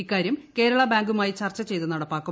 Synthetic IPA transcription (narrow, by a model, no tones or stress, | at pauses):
ikːaːɾjɐmke̞ːɾɐɭɐbaːŋɡumaːjit͡ɕɐrt͡ɕːɐt͡ɕe̞jt̪unɐɽɐpːaːkːu